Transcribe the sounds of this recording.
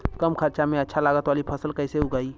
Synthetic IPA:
kəmkʰəɾt͡ʃamẽətːʃʰalaɡət̪ʋalipʰəsəlkəɪseuɡai

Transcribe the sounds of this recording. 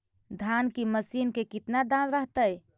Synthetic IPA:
d̪ʱankiməsinkekit̪nad̪anɾəɦt̪əj

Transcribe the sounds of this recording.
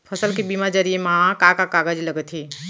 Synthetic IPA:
pʰɐsəlkibimad͡ʒəɾiemãkakakaːɡəd͡ʒlɐɡət̪ʰiː

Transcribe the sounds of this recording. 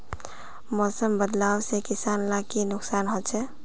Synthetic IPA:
mɔsəmbəd̪lawsekisanlakinuksanɦolt͡ʃʰɛ

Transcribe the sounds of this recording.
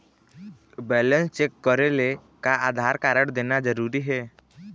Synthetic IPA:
bɛːlə̃nst͡ʃekːəɾelekaaːd̪ʱaːɾkaːɾəɽ̃d̪eːnad͡ʒəɾuːɾiɦɛː

